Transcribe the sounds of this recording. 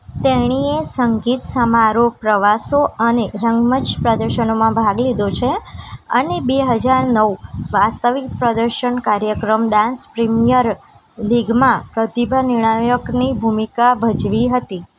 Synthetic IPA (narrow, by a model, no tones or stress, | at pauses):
t̪eɳ̃iesəŋɡit̪səmaɾopɾəʋasoəneɾəŋɡmət͡ʃpɾəd̪əɾʃənomãbʱaɡlid̪ot͡ʃʰeə̰nebeɦəd͡ʒaɾnəʋʋast̪əʋik̚pɾəd̪əɾʃəɳkaɾjəkɾəmɖãnspɾimijəɾ | liɡmãpɾət̪ibʱanɪɳ̃ajəknibʱumikabʱəd͡ʒʋiɦət̪i